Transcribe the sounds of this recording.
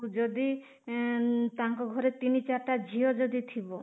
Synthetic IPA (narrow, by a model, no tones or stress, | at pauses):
ud͡ʒɔd̪i | t̪ãŋkɔɡʱɔɾet̪init͡ʃaɾʈad͡ʒʱiod͡ʒɔd̪it̪ʰibɔ